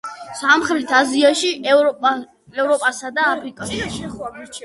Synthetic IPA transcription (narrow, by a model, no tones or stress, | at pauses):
samχɾlit̪ʰaziaʃiʔ | ɛvɾɔpʼasad̪aːpʰɾikʼaʃi